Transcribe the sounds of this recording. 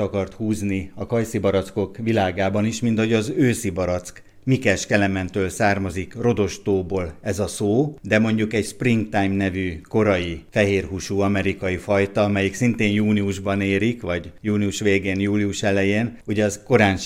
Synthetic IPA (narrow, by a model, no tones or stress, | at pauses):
ɒkɒrt̪huːzniɒkɒjsibɒɾɒt̪sko̞kʋilaːɡaːbɒniʃmint̪hoɟɒzøːsibɒɾɒt̪sk | mikɛʃkɛlɛmɛnt̪øːlsaːrmɒzikro̞d̪o̞ʃt̪oːboːlɛzɒsoːd̪ɛmo̞ɲɟukɛɟspriŋɡt̪ajmnɛvyko̞ɾɒjifɛɦeːrɦuʃuːɒmɛɾikɒjifɒjt̪ɒɒmɛjiksint̪eːnjuːniuʒbɒneːɾikʋɒɟjuːniuʃʋeːɡeːnjuːliuʃɛlɛjeːnhuɟɒzko̞ɾaːnt͡ʃ